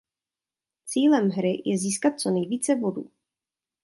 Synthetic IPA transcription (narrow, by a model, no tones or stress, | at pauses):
t͡siːlɛmɦɾɪjʔɛziːskat̪̚t͡so̞nɛjviːt͡sɛbo̞dṵː